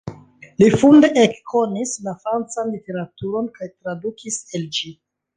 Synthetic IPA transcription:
lifunde̞ʔekkʰo̞nislafɾant͡sanlite̞ɾatuɾo̞nkajtɾadukʰise̞ld͡ʒi

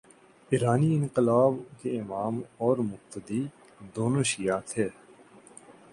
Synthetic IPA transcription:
ɪɾaːniɪ̃nqɪlaːbkeɪmaːmɔːɾmʊq̚t̪əd̪iː | d̪oːnoːʃijaːt̪ʰeː

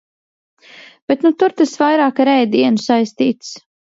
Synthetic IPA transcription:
b̥ɛt̪nut̪uɾt̪asvajɾaːkaɾɛjd̪iɛnusajst̪iːt̪s

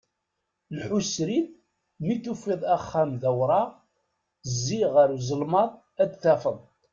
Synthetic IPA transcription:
lħusɾiθ | miθufiðˤæχːæmðæwɾˤɑʁ | zːiʁəɾuzˤəlmɑðˤ | æd̪θæfəðˤ

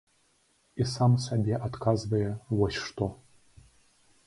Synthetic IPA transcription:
isamsabʲeʔat̪kʰazbɐjɛwɔɕʂt̪ʰʼo

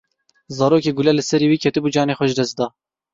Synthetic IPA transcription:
zɑːɾoːkeːɡʊlɛlɨsɛɾiːwiːkʰɛt̪ɨbuːd͡ʒɑːneːxʷɛʒd̪ɛst̪d̪ɑː

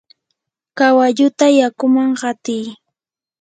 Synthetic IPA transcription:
kawaʎʊt̪ajakʊmaŋɢɑt̪ɪj

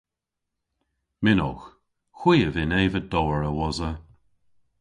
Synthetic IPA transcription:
mɪnɔ̰x | xwiːəvɪneːvəd̥ɔːəɹəwɔzə

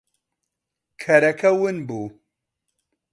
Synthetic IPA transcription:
kʰɐɾɛkʰɐwɨnbuː

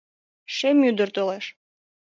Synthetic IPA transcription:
ʃemyd̪ərt̪oleʃ

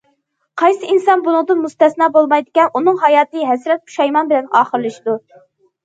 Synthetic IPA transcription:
qʰɑjsɨinsɑnbunɨŋd̪ɨnmust̪ɛsnɑːbolˠmɑjd̪ɪkʲɛnunɨŋɦɑjɑːt̪ɨɦɛsɾɛt̪̚qʰu̥ʃɑjmɑnbɪlɛnɑːχəɾɨlˠɨʃid̪u

